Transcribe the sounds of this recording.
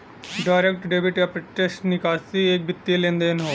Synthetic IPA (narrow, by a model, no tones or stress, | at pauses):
ɖaːɪɾek̚ʈɖeːbɪʈjapɾɐʈesʈnɪkaːsieːk̚bʱɪt̪ːilẽːnd̪eːnɦoː